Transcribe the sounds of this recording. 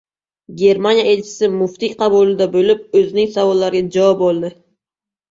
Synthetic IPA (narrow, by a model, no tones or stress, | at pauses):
ɡʲe̞ɾmanjaelt͡ʃʰɪ̥sɪmʊft̪iqʰɑbulˠɪd̪abɵlɪp̚ɵzɪnɪŋsavɒlˠːaɾɡʲad͡ʒaɒp̚bolˠd̪ɪ